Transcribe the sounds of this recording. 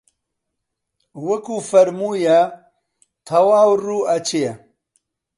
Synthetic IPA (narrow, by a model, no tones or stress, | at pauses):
wɐkuːfɐɾmuːjɐ | t̪ʰɐwaːwruːɐt͡ʃe